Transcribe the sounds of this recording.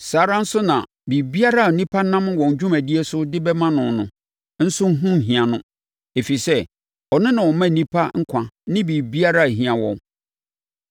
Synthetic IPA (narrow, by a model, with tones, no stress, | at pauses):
saː˨˦ɾa˦n̩˦sʊ˦nã̰˨ | bi˨bi˦a˦ɾa˦˨nĩ˦pʰa˦nã˦m˦wɔ̃˨ɲ˨d͡ʑᶣũ˦mæ˨di˦e˦sʊ˦dɪ˦bɛ˦mã˦nʊ̃˨nʊ̃˨ | n̩˦sʊ˦n̩˦ɦũ˦˨ɦĩ˨a˨nʊ̃˦ | e˨fi˨sɛ˦ | ɔ˨nɪ̃˦nã˨ɔ˨mã˦˨nĩ˦pʰa˦ŋ̩˦kʷʰã˦nɪ̃˦bi˨bi˦a˦ɾa˦˨ɦĩ˨ã˨wɔ̰̃˨˦